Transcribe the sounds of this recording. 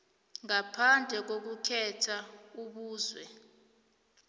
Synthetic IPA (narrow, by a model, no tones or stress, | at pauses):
ŋapʰand͡ɮʱɛk̬ok̬ukʰɛtʰauɓuːzwɛ